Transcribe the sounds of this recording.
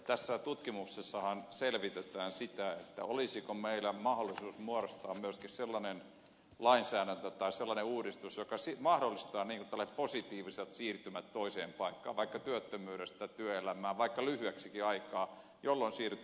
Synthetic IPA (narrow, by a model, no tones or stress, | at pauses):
t̪æsːæt̪ut̪kimuksesːɑhɑnselʋit̪et̪æːnsit̪æet̪ːæ̰olisikomeilːæmɑholːˑisuːsmuoɾost̪ɑːmmyøskisselːɑnen | lɑinsæːɾænt̪øt̪ɑiselːɑneuːɾist̪usjokɑsimɑhdolːist̪ɑːniːŋkunt̪ælːɑsepposit̪iːʋiselt̪siːrt̪ymæt̪t̪oiseːmpɑikːɑ̰ːʋʋɑikːɑt̪yøt̪ːømyːɾest̪æt̪yøelæmæːʋɑikːɑlyhyæksikiɑikɑː | jolːonsiːrt̪